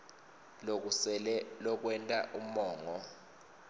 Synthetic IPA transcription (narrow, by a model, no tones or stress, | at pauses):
lk̬usɛlɛlɔk̬wɛntʼaʔum̩mɔːŋɔ